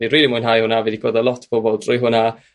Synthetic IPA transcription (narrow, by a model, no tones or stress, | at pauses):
iriːlˠimʊɨnɦajhʊnavidiɡoːdəlˠɔtʰb̥ɔbɔlˠd̥rʊjɦʊna